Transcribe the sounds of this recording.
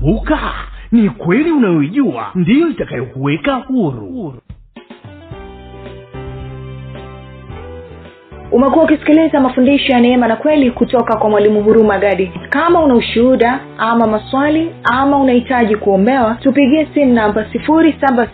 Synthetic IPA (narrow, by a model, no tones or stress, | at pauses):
ukanikwɛliunajɔiʄua̰ndijɔitakajɔkuwɛkahuɾṵ | umɛkuwaukisi̥kilizamafundiʃɔjanɛɛmanakwɛlikutɔkakwamwalimuɦuɾumaɠaɗikamaunauʃuuɗa | amamaswaliamaunahitaʄikuɔmbɛwatupiɠiɛsim̩nambasifuɾisaba